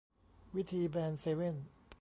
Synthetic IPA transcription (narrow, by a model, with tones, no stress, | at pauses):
wi˦˥t̪ʰiː˧bɛː˧nseː˧we˥˩n